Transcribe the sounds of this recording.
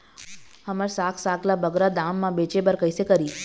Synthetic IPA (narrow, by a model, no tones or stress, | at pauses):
həməɾsaːkʰsaɡlabəɡɾad̪amːãbet͡ʃebəɾkəjsekəɾiː